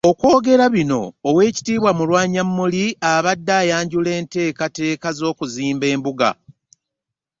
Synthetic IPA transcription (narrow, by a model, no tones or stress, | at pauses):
o̞kwo̞ːɡe̞ɾaβino̞ːwe̞ːci̥tiːβwamulwaːɲamːuliaβadːaːjaːɲɟule̞ːnte̞ːkate̞ːkazo̞ːkuziːmbe̞ːmbuɡa̰